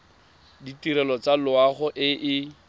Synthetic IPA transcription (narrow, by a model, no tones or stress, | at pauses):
ditiɾɛlɔt͡salʊaχʊʔɪʔɪ